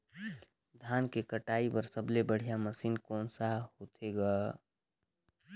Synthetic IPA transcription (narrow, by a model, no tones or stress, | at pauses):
d̪ʱaːnkekəʈaːipəɾsəblebəɽ̤ijaməsiːnkɔːnsahot̪ʰeɡaː